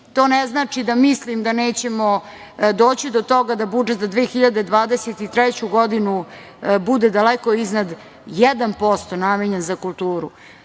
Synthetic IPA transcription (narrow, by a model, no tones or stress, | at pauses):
t̪o̞ːnɛznaːt͡ʂid̪amislimd̪aneːt͡ɕemo | d̪oːt͡ɕid̪ot̪o̞ɡad̪abud͡ʒet̪zad̪ʋeːxiʎad̪ed̪ʋaːd̪eset̪it̪ɾajet͡ɕuɡod̪inu | bud̪ed̪aleko̞iznad̪ | jɛd̪anpo̞st̪o̞nameɲenzakulˠt̪uːɾṵ